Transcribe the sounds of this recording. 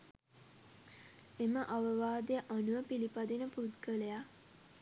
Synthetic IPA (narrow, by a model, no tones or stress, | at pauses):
eməʔaʋəʋaːd̪ejəʔanuəpilipad̪enəpud̪kələja